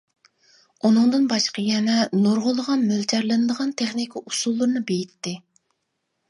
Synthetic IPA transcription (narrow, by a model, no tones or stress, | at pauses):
unɨŋd̪ɨnbɑʃqəjɛnɛnoɾʁʊlˠːəʁɑnmølt͡ʃʰɛɾlˠɨnɨd̪əʁɑnt̪ʰeχnikʰʲiʔusulˠːuɾɨnɨbejit̪ːɪ